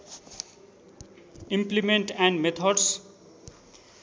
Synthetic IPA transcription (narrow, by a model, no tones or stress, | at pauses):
ĩmplimẽɳʈɛ̃ɳɖmet̪ʰɔɖs